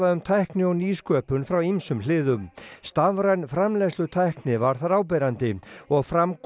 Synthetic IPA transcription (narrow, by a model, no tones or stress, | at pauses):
aðʏmt̪ʰajhknɪɔwniːskœːpʏnfɾawimsʏmlɪːðʏmst̪avɾajnfɾamlɛslʏt̪ʰajhknɪvaɾ̥θaɾaːwp̬ɛɾant̪ɪɔɣfɾamk